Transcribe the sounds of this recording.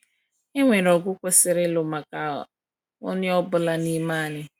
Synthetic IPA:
ɪ˦ŋʷe˨ɾɔ˨ɡʷʊ˦kʷe˦sɪ˦ɾɪ˦lʊ˨ma˨ka˨ | ʊ̰˦nɪ˦ɔ˦bʊ˦la˦ni˦maː˦˨nɪ˦

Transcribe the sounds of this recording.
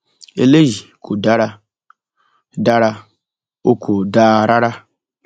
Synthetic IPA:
ḛ˨le˦ʒi˨kʰo˨da˦ɾa˦ | da˦ɾa˦ | o˦kʰo˨da˦˨ɾa˦ɾa˦

